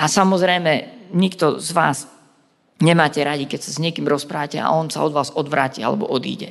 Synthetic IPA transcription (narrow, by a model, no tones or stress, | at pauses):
ʔasamɔzɾɛjmɛɲikt̪ɔzʋaːz | ɲɛmaːcɛɾaɟikɛcsazɲɪɛkiːmɾɔspɾaːʋacɛa̰ɔnsa̰ɔd̪ʋaːzɔd̪ʋɾaːcia̰lɛ̰bɔ̰ʔɔd̪ḭːɟɛ̰